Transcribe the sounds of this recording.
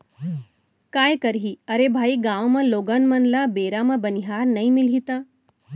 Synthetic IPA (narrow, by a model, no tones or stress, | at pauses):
kaːjkəɾɦiəɾebʱaːiɡãʋmaloɡənmənlabeɾamabəniɦaɾnəimilit̪a